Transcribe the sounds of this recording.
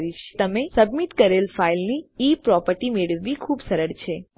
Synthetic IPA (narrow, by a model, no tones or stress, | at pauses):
ɾiʃt̪əmesəbmit̪kəɾelfailniipɾɔpəɾʈimeɭʋːikʰubsəɾəɽt͡ʃʰe